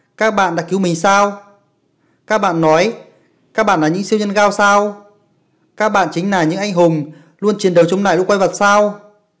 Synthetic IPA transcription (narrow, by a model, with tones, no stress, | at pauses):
kaː˦˥k̚ɓa̰ː˧˨nɗa̰ː˧˥ki˨˦wmï˨˩ŋ̟saː˧w | kaː˦˥k̚ɓa̰ː˧˨nːɔ˨˦j | kaː˦˥k̚ɓa̰ː˧˨nlaː˨˩ɲɨ̰˧˥ŋsi˧əwɲə˧nɣaː˧wsaː˧w | kaː˦˥k̚ɓa̰ː˧˨nt͡ɕï˨˦ŋ̟laː˨˩ɲɨ̰˧˥ŋʔa˧jŋɦʊ˨˩ŋ͡m | lu˧ənt͡ɕi˨˩ənɗə˨˩wt͡ɕʊ˧wŋ͡mna̰ː˧˨jlu˧˥˦kwa˧jvə˨˩t̚saː˧w